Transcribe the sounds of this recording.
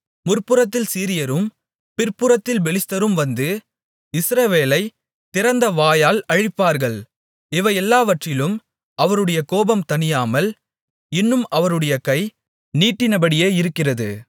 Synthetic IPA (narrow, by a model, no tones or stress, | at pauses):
mʊrpɯɾɐt̪ːɪlsiːɾɪjɐɾɯm | pɪrpɯɾɐt̪ːɪlbɛlɪst̪ːɐɾɯmʋɐnd̪ɯ | ɪsɾɐʋeːlɐɪ | t̪ɪɾɐnd̪ɐʋaːjaːlɐɻɪpːaːɾɣɐɭ | ɪʋɐɪɛlːaːʋɐʈrɪlɯm | ɐʋɐɾɯɽɐjɐkoːbɐmt̪ɐnɪjaːmɐl | ɪnːɯmɐʋɐɾɯɽɐjɐkɐɪ | niːʈːɪnɐbɐɽɪjeːɪɾɯkːɪrɐðɯ̰